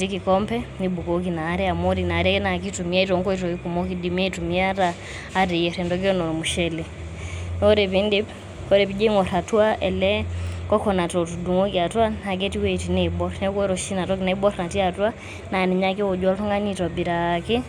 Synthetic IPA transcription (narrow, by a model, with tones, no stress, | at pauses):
tiki˨kɔmpɛnibu˨kɔk̬i˨naː˨˦ɾɛ˦a˨mɔɾina˨ɾɛnak̬i˦tumi˦a˦itɔŋkɔ˦itɔkiku˨mɔkidimi˦ɛ˦itumi˦a˦ɾaː˦ | ɾɛ˨jɛɾɛndɔki˦ɔ˦nɔɔ˨muʃɛli | ɔɾɛpindi˦ | kɔ˦ɾɛpid͡ʒɛ˦ŋɔ˨ɾa˨twa˦ʔɛ̰lɛkɔ˦kɔna˨tɔtu˨du˨ŋɔ˦kia˨twa˦na˨k̬ɛti˦wɛi˨tinɛibɔ˦ɾnɛkwɛɾɔʃi˦na˨tɔ˦kinai˦bɔ˦ɾna˨ti˦atu˦a˦ | na˨ni˨ɲaki˦wɔ˨d͡ʒwa˦lɔ˦ŋa˦nitɔ˨bi˨ɾaki˦